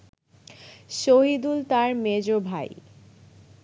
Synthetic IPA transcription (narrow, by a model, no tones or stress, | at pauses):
ʃoɦid̪ult̪aɾmed͡ʑobʱa̰j